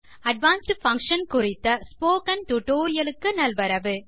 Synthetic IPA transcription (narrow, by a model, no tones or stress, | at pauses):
ɐɖ̚ʋaːnsʈfɐŋkʂɐnkʊrɪt̪ːɐspoːkɐnʈʊʈoːɾɪjɐlɯkːɯnɐlʋɐɾɐʋɯ